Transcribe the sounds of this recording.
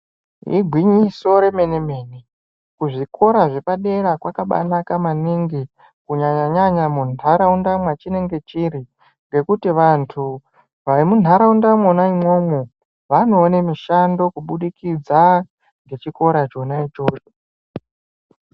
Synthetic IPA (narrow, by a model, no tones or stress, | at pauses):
ɦḭɡʱwiɲiso̞ɾe̞me̞ne̞me̞ni | kuʐikʰo̞ɾaʐe̞paɗe̞ɾakwakaɓa̰nakamaniŋɡi | kuɲaɲaɲaɲamunaɾaundamwat͡ʃine̞ŋɡe̞t͡ʃiɾi | ŋɡe̞kutiʋantʰu | ʋaimun̤aɾaundamonaimwo̞mo | ʋano̞ːnemiʃando̞kuɓuɗikid͡za | ŋɡe̞t͡ʃiko̞ɾat͡ʃo̞nait͡ʃoːt͡ʃo